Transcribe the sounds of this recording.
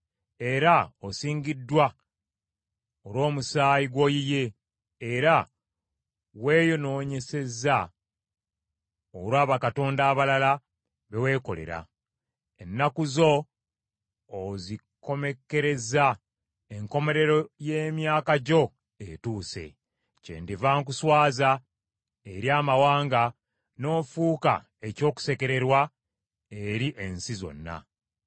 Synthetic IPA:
e̞ɾaosiːɲɟidːwa | olwo̞ːmusaːjiɡwo̞jije̞ː | ɾa | we̞ːjono̞ːɲe̞se̞za | oɾwaːβakato̞ːndaːβalala | βe̞we̞ːko̞̰le̞̰ɾa̰ | enːakuzo̞ | zi | ko̞me̞ke̞ɾe̞za | e̞ŋko̞me̞ɾe̞ɾo̞je̞ːmjaːkaɟo̞ | etuːse̞̰ | cḛːndevaːŋk̬uswaːza | eɾjaːmawaːŋɡa | no̞ːfuːka̰ | e̞co̞ːku̥se̞ke̞ɾe̞ɾwa | e̞ɾiʔensizo̞̰nːa̰

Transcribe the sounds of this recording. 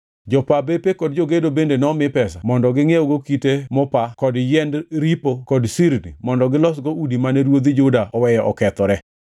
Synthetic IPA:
d͡ʒɔpabepekɔd̚d͡ʒoɡedobendenɔmɪpɛsamɔndɔɡɪŋeɔɡokitemɔpakɔdjɛndɾipokɔdsiɾnḭmɔndɔɡɪlɔsɡoudimanɛɾwod̪id͡ʒʊdaʔɔwɛjɔʔɔkɛt̪ɔɾɛ

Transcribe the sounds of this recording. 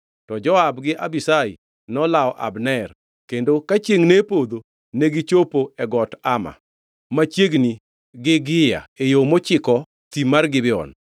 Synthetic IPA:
tɔd͡ʒɔabɡɪʔabisaḭ | nɔlaɔʔa̰bnɛr | kendokat͡ʃeŋnepod̪o | neɡɪt͡ʃopoɛɡɔtama̰ | mat͡ʃjeɡni | ɡɪɡɪja̰ejomot͡ʃɪkɔ | t̪imarɡɪbɪɔ̰n

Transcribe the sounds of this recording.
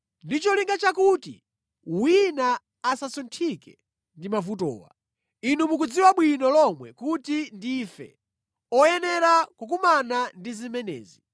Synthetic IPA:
ndit͡ʃɔliŋɡat͡ʃakuːtḭ | winaː | sasuntʰikɛ | ndimavutɔ̰ːwa̰ | inumuk̬ud͡ziwaɓwinɔlɔmwɛ̰kutindifɛ̰ | ɔjɛnɛɾakukumanandizimɛnɛ̰ːzi

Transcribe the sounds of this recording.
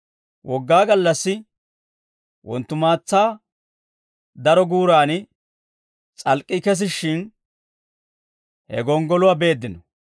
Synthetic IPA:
wʔɔɡːaːɡɐlːɐsːɪ | wɔ̰nt̪ːʊmaːt͡sːaː | d̪ɐɾɔɡuːɾaːnɪ | t͡sʼɐlkʼːɪkɛs̬ɪʃːɪn | hɛ̰ɡɔŋɡɔlʊwabe̞ːd̪ːɪnɔ

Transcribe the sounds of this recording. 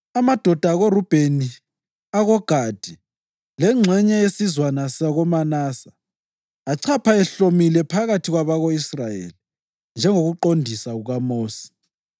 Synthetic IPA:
amad̥ʱɔd̥ʱaɣorub̥ʱeni | aɣɔɡ̥ʱad̥ʱi | lɛŋ͡ǁʱɛɲɛesizwanasaɣɔmanaːsḁː | ǀʰapʰaɛɬomilɛpʰaɣatʰiɣwaβaɣoisrajḛli | nd͡ʒʱɛŋoɣuǃondʱisaɣuɣamoːsi̥

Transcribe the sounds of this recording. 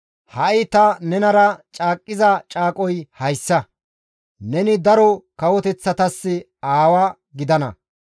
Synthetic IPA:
hɐʔɪt̪ɐnɛnɐɾɐt͡ʃʼaːkʼːɪzɐt͡ʃʼaːkʼɔjhɐjsːɐ | nɛnɪd̪ɐɾɔkɐwɔt̪ɛt͡sːɐt̪ɐsːɪ | aːwɐ | ɡɪd̪ɐnɐ̰

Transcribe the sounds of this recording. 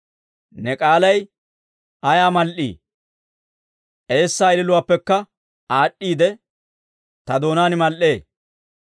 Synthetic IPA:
nɛkʼaːlɐj | ɐjaːmɐlʔḭː | ʔe̞ːsːaːɪlɪlʊwaːpːɛkːɐ | aːɗːiːd̪ɛ | t̪ɐd̪o̞ːnaːnɪmɐlʔe̞ː

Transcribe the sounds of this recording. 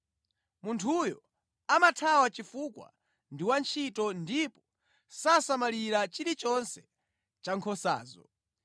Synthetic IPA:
muntʰujɔ | amatʰawat͡ʃifukwa̰ | ndiwant͡ʃʰitɔndipɔ | sasamaliɾat͡ʃiɾit͡ʃɔnsɛ̥ | t͡ʃaŋkʰɔsa̰ːzɔ̰

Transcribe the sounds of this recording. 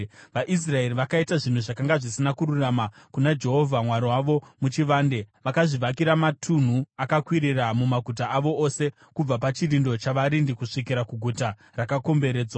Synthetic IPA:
ʋaʔis̬rae̞riʋakaitaʐin̤uʐakaŋɡaʐisinakuɾuramakunad͡ʒe̞ɦo̞vʱamwaɾiwaʋo̞mut͡ʃiʋaːnde̞ʋakaʐiʋakiɾamatʰun̤uakakwiɾiramumaɡʱut̬aːʋo̞ʔose̞ | kub͡vapat͡ʃirindo̞t͡ʃaʋaɾindikuʂik̬iɾakuɡʱuta | rakako̞mbe̞ɾe̞ːd͡zwa

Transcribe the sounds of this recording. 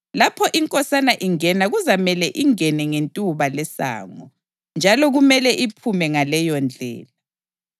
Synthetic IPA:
lapʰɔʔiŋkʼɔsanaʔiŋɛnaɣuzamɛlɛʔiŋɛnɛŋentʼuβalɛsa̰ːŋɔ | nd͡ʒʱalɔɣumɛlɛʔipʰumɛŋalɛjɔnd͡ɮʱɛ̰ːla

